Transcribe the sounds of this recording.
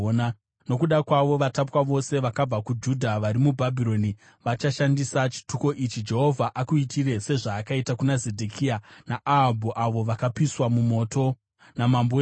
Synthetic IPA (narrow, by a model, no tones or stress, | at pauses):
na | no̞kuɗakwaʋo̞ʋatapwaʋo̞se̞ʋakab͡vakud͡ʒudʱaʋaɾimubʱabʱiɾo̞ni | ʋat͡ʃaʃandisat͡ʃi̥tuko̞ʔit͡ʃid͡ʒe̞ɦo̞vʱaʔakuitʰiɾe̞se̞ʐaːkaitakunazedʱekʰianaaɦabʱuʔaʋo̞ʋakapiswamumo̞ːto̞ | namambo